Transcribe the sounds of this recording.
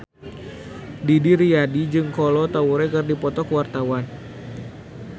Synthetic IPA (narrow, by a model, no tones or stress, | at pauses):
didiɾiadid͡ʒɨŋkɔlɔt̪auɾɛkɨrdipɔt̪ɔkwart̪awan